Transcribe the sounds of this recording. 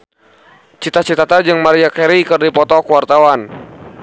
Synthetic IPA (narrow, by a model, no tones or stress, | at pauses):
t͡ʃit̪at͡ʃit̪at̪ad͡ʒɨŋmaɾiakɛɾikɨrdipɔt̪ɔkuwart̪awan